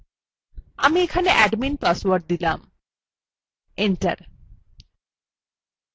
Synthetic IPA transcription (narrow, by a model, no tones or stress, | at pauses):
amiekʰaneʔɛɖminpaswaɾʈ̚d̪ilam | eɳʈa̰ɾ